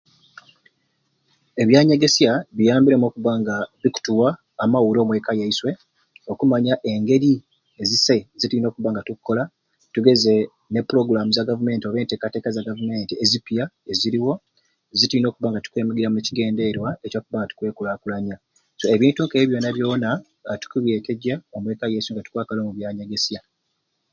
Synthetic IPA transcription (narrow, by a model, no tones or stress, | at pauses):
e̞βjaːɲe̞ɡe̞sjaβijaːmbiɾemoːkuβaŋɡaβiku̥tuwaː | mawuɾo̞ːmwe̞ːkajaiswe̞ | o̞kumaɲaʔe̞ŋɡe̞ɾi | ezise̞zituino̞ːkuβaːŋɡatukʰːo̞la | tuɡe̞ze̞ | nepːuɾo̞ɡuɾamuzaɡavume̞ːntio̞ːβe̞ːnte̞ːkate̞ːkazaɡavume̞ːntiezipjaeziɾiwo̞ | zituino̞ːkuβaŋɡatu̥kwe̞ːmiɡiɾamuneciɡe̞ːnde̞ɾwaecoːkuβaŋɡatu̥kwe̞ːkulaːkulaɲa | so̞eβiːntuŋkeːβjo̞naβjo̞ːna | tu̥kuβjeːteɟaomwe̞ːkajeisweŋɡatu̥kwaːkalo̞ːmuβjaːɲeɡe̞sja